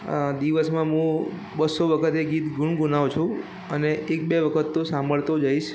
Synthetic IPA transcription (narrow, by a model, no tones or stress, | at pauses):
d̪iʋəsmãɦũ | bəsoʋəkʰət̪eɡit̪ɡʱuɳɡunaʋt͡ʃʰũ | əneʔek̚beʋəkʰət̪ːõsambəɭt̪od͡ʒaiʃ